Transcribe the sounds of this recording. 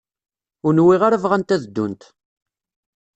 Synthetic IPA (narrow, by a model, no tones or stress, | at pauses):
ʊɾnwiʁaɾəvʁænt̪æðd̪ːunt̪